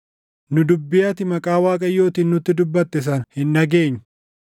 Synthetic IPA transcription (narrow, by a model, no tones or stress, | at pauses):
nʊd̪ʊbːɪjɐt̪ɪmɐkʼaːwaːkʼɐjːo̞ːt̪iːnnʊt̪ːɪd̪ʊbːɐt̪ːɛs̬ɐnhɪnːɐɡe̞ːɲːʊ̥